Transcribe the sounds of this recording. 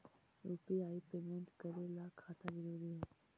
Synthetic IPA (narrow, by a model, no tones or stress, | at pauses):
ɾuːpiaːipeːmẽɳʈkəɾelakʰaːt̪ãzəɾuːɾiɦɛː